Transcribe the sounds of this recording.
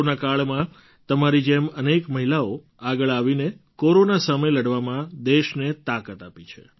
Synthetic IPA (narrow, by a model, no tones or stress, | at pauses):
nakaɭmã | t̪əmaɾid͡ʒemənekməɦilao | aɡəɭaʋinekoɾonasəməjləɽʋamãd̪eʃnet̪akət̪apit͡ʃʰḛ